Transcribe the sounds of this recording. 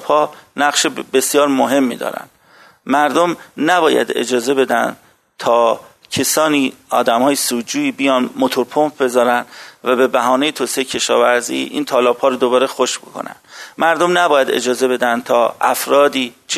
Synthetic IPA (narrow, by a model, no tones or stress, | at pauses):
phɒːnæɣʃebe̞sijɒːɾmoɦe̞mːḭd̪ɒ̰ːɾæ̰nd̪ | mæɾd̪omnæbɒːjæ̰d̪e̞̰d͡ʒɒːze̞be̞d̪ænd̪ | t̪ʰɒː | cʰe̞sɒːniːɒ̰ːd̪æmhɒːjesuːd̪d͡ʒuːiːbijɒːnmot̪ʰoɾpʰompbe̞zɒːɾænd̪væbe̞bæɦɒːnejet̪ʰosejecʰe̞ʃɒ̰ːvæɾzḭːʔḭːnt̪ʰɒːlɒːphɒːɾod̪obɒːɾe̞xoʃbo̰kʰo̰næ̰nd̪̥mæɾd̪omnæbɒːjæd̪e̞̰d͡ʒɒːze̞be̞d̪ænd̪̚t̪ʰɒːæfɾɒːd̪iːt͡ʃʰ